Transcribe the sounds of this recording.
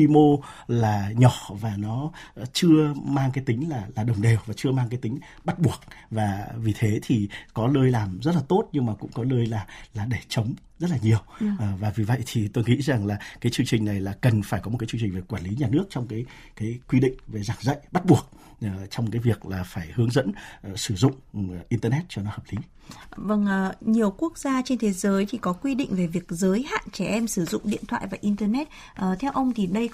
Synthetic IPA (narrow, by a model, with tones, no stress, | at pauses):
wi˧mo˧laː˨˩ɲɔ˧˩vaː˨˩nɔ˨˦t͡ɕɨ˧əmaː˧ŋkaː˨˦jt̪ï˨˦ŋ̟laː˨˩laː˨˩ɗə˨˩wŋ͡mɗe˨˩wvaː˨˩t͡ɕɨ˧əmaː˧ŋkaː˨˦jt̪ï˨˦ŋ̟ | ɓa˦˥t̚ɓu˨˩ək̚vaː˨˩vi˨˩t̪ʰe˨˦t̪ʰi˨˩kɔ˨˦ləː˧jlaː˨˩mzə˦˥t̚laː˨˩t̪o˦˥t̚ɲɨ˧ŋmaː˨˩kʊ̰˧˥ŋ͡mkɔ˨˦ləː˧jlaː˨˩laː˨˩ɗe˧˩t͡ɕə˨˦wŋ͡m | zə˦˥t̚laː˨˩ɲi˨˩əwːvaː˨˩vi˨˩və̰˧˨jt̪ʰi˨˩t̪o˧jŋḭ˧˥za˨˩ŋlaː˨˩kaː˨˦jt͡ɕɨ˧əŋt͡ɕï˨˩ŋ̟na˨˩jlaː˨˩kə˨˩nfaː˧˩jkɔ˨˦mo˨˩kːaː˨˦t͡ɕɨ˧ŋt͡ɕï˨˩ŋ̟ve˨˩kwaː˧˩nli˨˦ɲaː˨˩nɨ˦˥ək̚t͡ɕɔ˧wŋ͡mkaː˨˦j | kaː˨˦jkwi˧ɗḭ̈˧˨ŋ̟ve˨˩zaː˧˩ŋzə̰˧˨jɓa˦˥t̚ɓu˨˩ək̚ː | t͡ɕɔ˧wŋ͡mkaː˨˦jvi˨˩ək̚laː˨˩faː˧˩jhɨ˨˦əŋzə̰˧˥n˨˩sɨ˧˩zʊ̰˧˨ŋ͡mʔi˧nt̪əː˧nɛ˦˥t̚t͡ɕɔ˧nɔ˨˦həː˨˩p̚li˨˦ | və˧˩ŋʔɲi˨˩əwku˦˥ək̚zaː˧t͡ɕe˧nt̪ʰe˨˦zəː˨˦jt̪ʰi˨˩kɔ˨˦kwi˧ɗḭ̈˧˨ŋ̟ve˨˩vi˨˩ək̚zəː˨˦jha̰ː˧˨nt͡ɕɛ˧˩ʔɛ˧msɨ˧˩zʊ̰˧˨ŋ͡mɗḭ˧˨ənt̪ʰwa̰ː˧˨jvaː˨˩ʔi˧nt̪əː˧nɛ˦˥t̚ | ʔəː˨˩t̪ʰɛ˨˧wʔə˧wŋ͡mt̪ʰi˨˩ɗə˧j